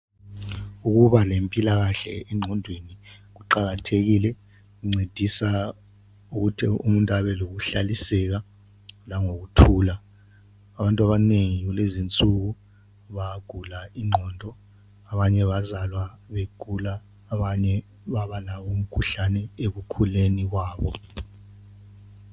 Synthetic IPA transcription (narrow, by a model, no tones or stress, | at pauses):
uɣuβalempʼilaɣaɬɛ̰ɛŋ͡ǃʱɔndʱweniɣuǃaɣatʰeɣilɛ | ɣuŋ͡ǀed̥ʱisa | uɣutʰḭumuntʼaβɛloɣuɬalisɛɣa | laŋoɣutʰuːlaː | βantʼwaβaneŋiiiulezint͡sʼuk̬u | βaɡ̥ʱulaiŋ͡ǃʱɔːndʱɔ | aβaɲɛβazalwaβeɡ̥ʱulaː | βaɲɛ | βaβalawom̩kʰuɬanɛeɣukʰuleniɣ̬waːβɔ